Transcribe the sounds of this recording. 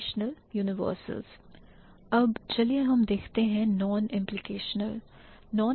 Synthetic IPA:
ʃnəljuːnɪʋə̰ːɾsə̰lz̥ | ɐbt͡ʃɐlieɦɐmd̪eːkʰt̪eɦɛ̃nɔːnɪ̃mplɪkeːʃnəl | nɔː

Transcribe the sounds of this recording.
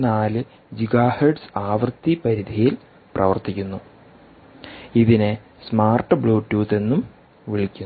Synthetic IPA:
naːlɨ | d͡ʑiɡaːherɖsɨ̥aːʋrɨt̪ːipɐɾid̪ʱijil | prɐʋɐrt̪ikʲːunːu | iðine | smaːrʈːɨbɭoːʈːuːt̪e̞nːum | ʋiɭikʲːun

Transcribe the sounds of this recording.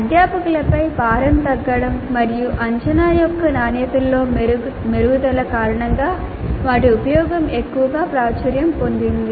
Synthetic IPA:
ɐd̪jaːpɐkulɐpɐjpaːɾɐnt̪ɐɡːɐɽɐmːɐɾijuʔɐɲt͡ʃɐnaːjɔkːɐnaːnɐjɐt̪ulːo̞ː | meɾuʋud̪ɐlɐkaːɾɐɳɐŋɡaː | ʋaːʈiupɐjɔːɡɐmekːuʋɐɡaːpɾaːt͡ʃɐɾjɐmpo̞nd̪ind̪i

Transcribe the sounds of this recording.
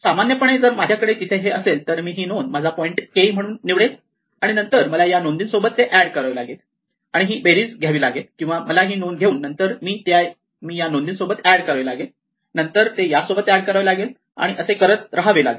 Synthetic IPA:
samanjəpəɳed͡zəɾmad͡ʑʱjakəɽet̪it̪ʰeɦeəselt̪əɾmiːɦiːnonmad͡zʱapɔiɳʈkeim̤əɽ̃uːnːiʋɽet̪ | aɽ̃inənt̪əɾməlajanond̪iːnsobət̪ːeʔæɽkəɾaʋlaɡet̪ | aɽ̃iɦiːbeɾiːd͡zɡʱjaʋiːlaɡet̪kĩw̃ʋaməlaɦiːnonɡʱeuːnːənt̪əɾmiːt̪ja | miːjanond̪iːnsobət̪æɽkəɾaʋilaɡel | nənt̪əɾt̪ejasobət̪æɽkəɾaʋlaɡel | a̰ɽ̃iʔəsekəɾət̪ɾaɦaʋila̰ɡe

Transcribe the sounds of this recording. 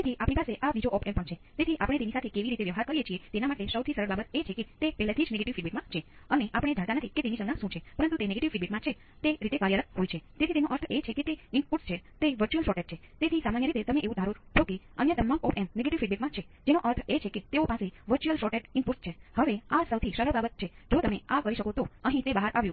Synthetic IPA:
et̪ʰiʔapɳipaseʔabid͡ʒoʔɔpempəɳt͡ʃʰet̪et̪ʰiʔa̰pəɽ̃et̪enisat̪ʰekeʋiɾit̪eʋjəʋɦaɾkəɾijet͡ʃʰiet̪enamaʈesəwt̪ʰisəɾəɾbabət̪et͡ʃʰeket̪epɛɦlat̪ʰid͡ʒneɡeʈiʋfiɖbeʈmãt͡ʃʰeəneʔapəɽ̃ed͡ʒʱə̃ɽ̃t̪anət̪ʰiket̪enisə̃ɡnãʃũt͡ʃʰepəɾənt̪ut̪eneɡeʈiʋibeʈmãt͡ʃʰe | t̪eɾit̪ekaɾjələkɦojt͡ʃʰet̪et̪ʰit̪enõʔəɾt̪ʰet͡ʃʰeket̪eimpuɾst͡ʃʰet̪eʋəɾt͡ʃuəlʃɔʈeʈ̚t͡ʃʰet̪et̪ʰisamanjəɾit̪et̪əmeʔeʋũd̪ʱaɾuɾt͡ʃʰoke | ənjət̪əmãŋɡɔpemneɡeʈiʋfiɖ̚biʈmãt͡ʃʰe | d͡ʒenoʔəɾt̪ʰet͡ʃʰeket̪eopãseʋəɾt͡ʃuəlʃɔʈeʈimpuʈst͡ʃʰehəʋeasəwt̪ʰiʃəɾəɾbabət̪̚t͡ʃʰed͡ʒot̪əmeakəɾiʃəkot̪oəɦĩt̪ebaɦaɾʔaʋjũ

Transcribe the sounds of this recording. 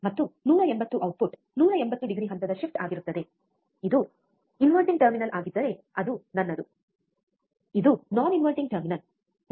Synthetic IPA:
mɐt̪ːunuːɾɐembɐt̪ːuʔɐwʈ̚puʈ | nuːɾɐembɐt̪ːuɖiɡɾiɦɐnt̪ɐd̪ɐʃipʈaːɡiɾut̪ːɐd̪e̞ | id̪u | inʋɐlʈiŋ̚ʈɐɾminɐlʔaːɡid̪ːɐɾe̞ | ɐd̪unɐnːɐd̪u | id̪unaːninʋɐlʈiŋʈɐɾminɐl

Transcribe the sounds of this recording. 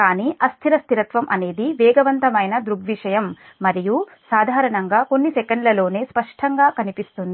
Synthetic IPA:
kaːniːʔɐst̪ʰiɾɐst̪iɾɐt̪ʋɐmʔɐne̞ːd̪iʋɛːɡɐʋɐnt̪ɐmɐjnɐd̪ɾuɡʋiʂɐjɐmː | ɐɾiju | saːd̪ʱaːɾɐɳɐŋɡaːko̞nːisɛkɐɳɖlɐlo̞ːne̞ːspɐʂʈʰɐŋɡaːkɐnipist̪und̪ii

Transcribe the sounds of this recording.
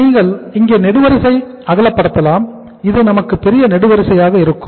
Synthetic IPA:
iːŋɡɐɭɪŋɡeːnɛɽɯʋɐɾɪsɐɪ | ɐɣɐlɐpːɐɽɐt̪ːɐlaːm | ɪðɐɪnɐmɐkːɯpːɛɾɪjɐnɛɽɯʋɐɾɪsɐjaːɣɐɪɾɯkːɯm

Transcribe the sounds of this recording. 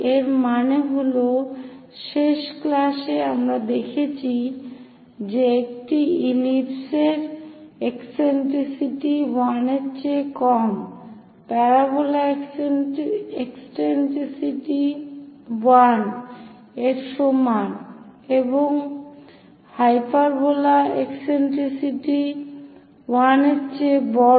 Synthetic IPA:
eɾmaneɦoloʃeʃklaʃeamɾad̪ekʰet͡ɕʰi | d͡ʑeek̚ʈiilipseɾekseɳʈɾisiʈiwaneɾt͡ɕekɔm | pɛɾabola | eksʈenʈɾisiʈi | wan | eɾʃomaneboŋ | hajpaɾbolaekseɳʈɾisiʈi | waneɾt͡ɕʰebɔ

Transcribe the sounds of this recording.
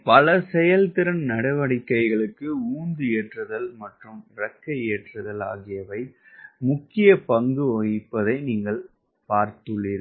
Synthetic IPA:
pɐlɐsɛjɐlt̪ɪɾɐnnɐɽɐʋɐɽɪkːɐɪɣɐɭɯkːɯuːnd̪ɯeːʈrɐðɐlmɐʈrɯmɾɐkːɐeːʈrɐðɐla̰ːɣɪjɐʋɐɪ | mʊkːɪjɐpɐŋɡɯoːjɪpːɐðɐɪniːŋɡɐɭ | paːɾt̪ɯɭːɪɾ

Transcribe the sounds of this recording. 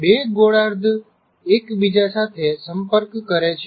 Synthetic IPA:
beɡoɽaɾd̪ʱ | ekbid͡ʒasat̪ʰesəmpəɾkːəɾet͡ʃʰ

